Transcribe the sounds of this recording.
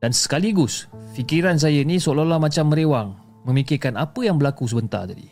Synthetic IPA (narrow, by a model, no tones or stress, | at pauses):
d̥ansə̥kaliɡʊsfikiɾans̬ajənĩsololamãt͡ʃamːəɾewaŋ | mə̃mikɪrkanapəjaŋbəlakus̬əbənt̪a̰rt̪adḭ